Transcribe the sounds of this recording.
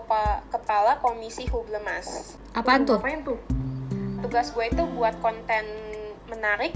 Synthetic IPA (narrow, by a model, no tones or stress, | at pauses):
pakəpalakomisiɦubləmas | ʔapant̪ʊnt̪u | t̪uɡasɡuait̪ubuat̪̚kɔnt̪ɛnmənaɾɪk̚